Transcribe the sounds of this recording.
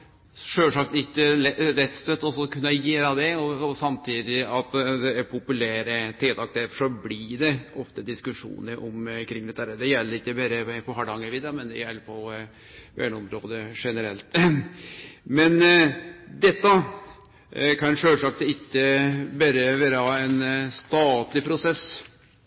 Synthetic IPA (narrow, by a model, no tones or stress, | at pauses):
ʂøːlʂɑkt̪ɪtːəɛɾɛt̪st̪œt̪ːɔsɔkʰʉnːɑjeːɾɑd̪ɛɔsɑmt̪ʰiːd̪ɪɑt̪d̪ɛæɾpʰʊpʉlæːɾət̪ʰeːt̪ɑkt̪ɛfʂɔblɪɖɛɔft̪əd̪ɪskʉʂṵːnəɾʔɔmkʰɾɪŋd̪ɛt̪ːæɾəd̪ɛjɛlːəɾɪkːəbæɾəpʰɔɦɑɖɑŋəʋiːd̪ɑmɛnd̪ɛ̰jɛlːpʰɔ | ʋæ̰ːɳɔmɾoːd̪əʂɛnəɾɛlt̪ | mɛn | d̪ɛt̪ːɑ | kʰɑnʂøːlʂɑkt̪ɪkːəbæɾəʋæːɾəhɑɛnst̪ɑːt̪lɪpʰɾʊsɛs